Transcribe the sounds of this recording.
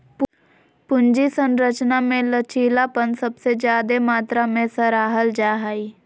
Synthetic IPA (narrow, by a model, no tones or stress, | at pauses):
p | pʊnd͡ʒisə̃nɾət͡ʃnamẽlət͡ʃiːlapənsəbsed͡ʒjaːd̪emaːt̪ɾamẽsəɾaːɦəld͡ʒaːɦaːiː